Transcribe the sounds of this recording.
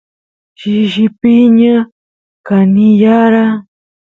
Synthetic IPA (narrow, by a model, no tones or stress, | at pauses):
ʃiʒipiɲa | kanijaɾa